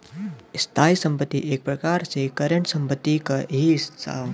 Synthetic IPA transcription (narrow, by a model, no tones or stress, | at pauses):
st̪ʰaːisə̃mpət̪ːiʔeːk̚pɾɐkaːɾsekɐɾəɳʈsɐ̃mpət̪ːikaɦissa̰ː